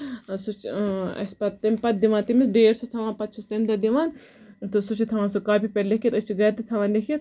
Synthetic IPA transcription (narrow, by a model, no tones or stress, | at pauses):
sut͡ʃɐ̰spɐt̪t̪ːɐmʲpɐt̪̚d̪iʋãːnt̪imisɖeːɾsut̪ʰɐʋãːnpɐt̪̚t͡ʃʰust̪ɐmd̪ɐd̪iʋaːn | t̪ɨsut͡ʃʰit̪ʰɐʋaːnsukaːpipʲeɾlekʰʲit̪ɐst͡ʃʰiɡɐːt̪it̪ʰɐʋaːnlekʰʲit̪̚